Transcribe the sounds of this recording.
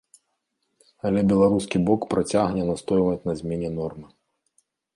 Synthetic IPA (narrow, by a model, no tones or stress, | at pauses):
ɐlʲɛbʲɛlˠaɾuskʲibɔkpɾat͡sʲaɣnʲɛnast̪ɔjvɐt͡sʲnɐzʲmʲɛnʲɛnɔrmɨ